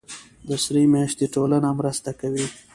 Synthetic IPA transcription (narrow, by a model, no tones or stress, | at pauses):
d̪əsɾimjaʃt̪eʈolanamɾəst̪akawi